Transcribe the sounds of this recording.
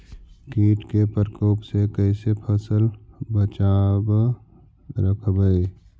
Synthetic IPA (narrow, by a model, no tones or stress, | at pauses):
kiːʈkepəɾkoːpsekəɪsepʰəsəlbət͡ʃaːb | ɾəkʰbəi